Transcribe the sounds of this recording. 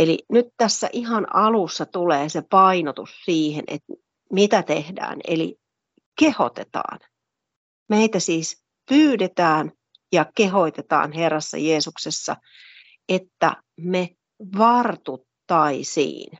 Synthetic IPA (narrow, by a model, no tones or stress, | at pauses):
elḭnyt̪t̪æsːæ̰ʔiɦɑnɑlusːɑt̪uleːsepɑinot̪ussiːhḛnʔḛt̪ | mit̪æt̪ehdæ̰ːnḛlḭ | keho̰t̪et̪ɑ̰ːn | meit̪æsiːs | pyːdet̪æːn | jɑkeɦoit̪et̪ɑ̰ːnherːɑsːɑ̰jeːsuksesːɑ̰ | et̪ːæ̰ | me | ʋɑrt̪ut̪ːɑisḭːn